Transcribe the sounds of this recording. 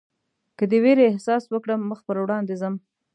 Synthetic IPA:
kəd̪əweɾeːhsɑswəkɽəmːəxpəɾwɽɑnd̪ezəm

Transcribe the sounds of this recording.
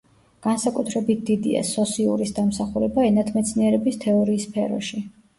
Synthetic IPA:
ɡ̥ansakʼut̪ʰɾɛbit̪̚ʰd̪id̪ḭa̰sɔsiṵɾisd̪amsaχuɾɛbaɛnat̪ʰmɛt̪sʰniɛɾɛbist̪ʰɛɔɾiːspʰɛɾɔ̰ʃi

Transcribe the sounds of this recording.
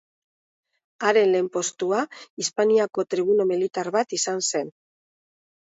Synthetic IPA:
aɾe̞nle̞mpo̞st̪uaispaniako̞t̪ɾiβ̞unumilit̪aɾβat̪isanse̞n

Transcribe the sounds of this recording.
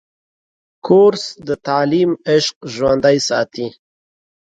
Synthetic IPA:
kʰoɾsd̪ət̪aːlimeʃqʒwand̪ajsɑt̪ʰi

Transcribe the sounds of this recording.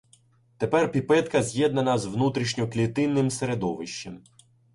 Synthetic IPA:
t̪epɛrpʲipɛt̪kɐzʲjɛd̪nɐnɐzʋnut̪ɾʲiʃnʲɔklʲit̪ɪnːɪmseɾed̪ɔʋɪʃt͡ʃːem

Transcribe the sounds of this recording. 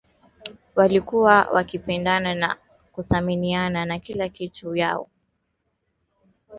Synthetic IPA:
walikuwawʔa̰kipɛndanana̰ | kuθaminiananakilakituja̰ɔ̰

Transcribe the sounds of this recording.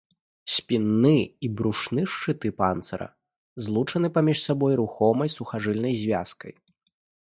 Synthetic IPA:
sʲpʲinːɨibɾuʂnɨʂt͡ʂɨt̪ɨpant̪sɐɾɐ̰ | zlˠut͡ʂɐnɨpamʲiʂsabɔjɾuxɔmɐjsuxaʐɨlʲnɐjzʲvʲaskɐj

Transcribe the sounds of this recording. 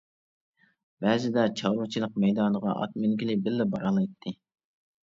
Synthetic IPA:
bæːzɪd̪ɛt͡ʃʰɑwɾut͡ʃʰilˠəq̚mɛjd̪ɑnəʁɑ̰ʔɑ̰t̪̚mylɡʲilɪbɪlːɛbɑɾɑlˠɑjt̪ʰːɨ

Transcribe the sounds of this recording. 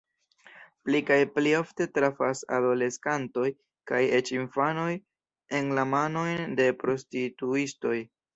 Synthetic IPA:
plikajplio̞fte̞tɾafasa̰do̞le̞skanto̞j | kaje̞t͡ʃinfano̞j | e̞nlamano̞jnde̞pɾo̞stituisto̞j

